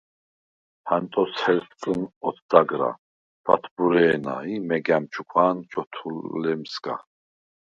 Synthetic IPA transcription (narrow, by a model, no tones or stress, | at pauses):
hant̪ʼɔshɛltt͡sʼənɔt̪ʰd̪aɡɾa̰ | b̥at̪ʰbuɾɛːna̰imɛɡamt͡ʃʰukʷʰwaːnt͡ʃʰɔt̪ʰulɛmsɡa̰